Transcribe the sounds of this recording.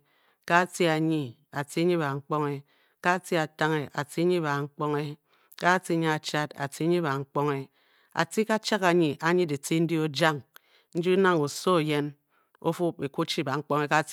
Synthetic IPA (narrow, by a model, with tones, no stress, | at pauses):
ka˦ti˦a˨ɲi˦ | a˨ti˦ɲi˦ba˨ŋ͡m̩˦k͡po˦ŋe˦ | ka˦ti˦a˨ta˦ŋe˨ʔa˨ti˦ɲi˦ba˨ŋ͡m̩˦k͡po˦ŋe˦ | ka˦ti˦ɲi˦a˨t͡ʃa˦ta̰˨ti˦ɲi˦ba˨ŋ͡m̩˦k͡po˦ŋe˦ | a̰˨ti˦ka˦t͡ʃa˦ka˨ɲi˨ʔa˨ɲi˦di˨ti˦n̩˦di˦o˦d͡ʒa˦ŋ | n̩˦d͡ʒi˦na˦ŋo˨so˦˨je˦n | o̰˦fu˦p̚e˨ku˦t͡ʃi˦˨ba˨ŋ͡m̩˦k͡po˦ŋe˦ka˦